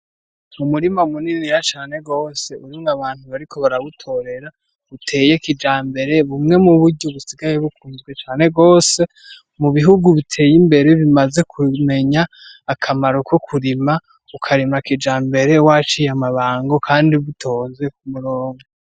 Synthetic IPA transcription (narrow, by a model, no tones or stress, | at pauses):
umuɾimaumuniniɾat͡ʃaːne̞ɡo̞ːse̞uɾimaβaːn̥huβaɾikʰo̞βaɾaβutʰo̞ɾe̞ɾa | βutʰe̞ːje̞kid͡ʒaːmbe̞ɾe̞βumŋe̞muβuɾɟoβusiɡaje̞βukuːnzɡwe̞t͡ʃaːne̞ɡo̞ːse̞ | muβiɦuɡuβitʰe̞ːjimbe̞ɾe̞βimaze̞kʰume̞ɲaː | kʰamaɾo̞kʰokʰuɾima | ukʰaɾimakid͡ʒaːmbe̞ɾe̞wat͡ʃijamaβaːŋɡo̞kʰaːndiβutʰo̞ːnze̞kumuɾoːŋɡo